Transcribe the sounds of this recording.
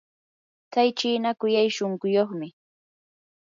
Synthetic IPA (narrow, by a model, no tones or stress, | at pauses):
t͡sajt͡ʃiːnakʊjajʃoŋkʊjoχmɪ